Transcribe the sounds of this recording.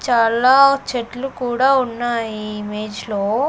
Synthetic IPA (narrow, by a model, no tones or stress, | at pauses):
t͡ʃaːlaːt͡ʃeʈlukuːɽaːunːaːjiːme̞ːd͡ʒloː